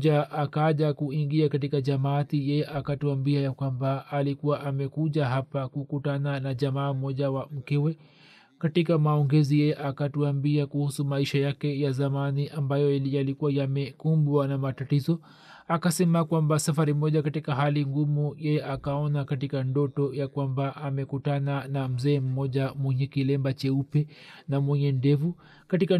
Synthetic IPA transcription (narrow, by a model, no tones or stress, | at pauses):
ʄaʔakaʄakuiŋɡiakat̬ikaʄamatijɛjɛʔakatuambiajakwambaːlikuwaʔamɛkuʄaɦapakukutananaʄamaːmɔʄawam̩kɛwɛ | katikamaɔŋɡɛzijɛjɛʔakatuambiakuhusumaiʃajakɛjazamaniʔambajɔjalikuwajamɛkumbwanamatatizɔ | akasɛmakwambasafaɾimɔʄakatikaɦaliŋɡumujɛjɛʔakaɔnakatikandɔtɔjakwambaʔamɛkutananam̩zɛːm̩mɔʄamwɛɲɛkilɛmbat͡ʃɛupɛnamwɛɲɛndɛvu | katika